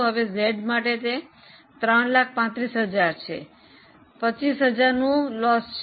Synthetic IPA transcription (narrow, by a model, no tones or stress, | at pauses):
ɦəʋezeɖmaʈet̪e | t̪ɾəɳlak̚ʰpãt̪ɾisɦəd͡ʒaɾt͡ʃʰḛ | pət͡ʃisɦəd͡ʒaɾnũlɔst͡ʃʰ